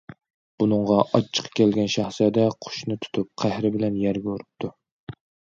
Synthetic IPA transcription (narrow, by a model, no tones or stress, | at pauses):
b̥unɨŋʁɑʔɑt͡ʃʰːə̥qʰːɑ̥kʲɛlɡʲɛnʃæχsɛd̪ɛqʰʊ̥ʃnɨt̪ʰu̥t̪ʰup̚qʰæhɾɪbɪlɛnjæɾɡʲuɾup̚t̪ʰu